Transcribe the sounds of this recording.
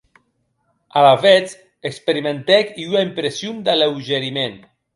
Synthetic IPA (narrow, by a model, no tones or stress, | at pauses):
alavɛt͡s | ekspeɾimẽnt̪ɛkiuaimpɾesjumd̪əlewʒeɾimen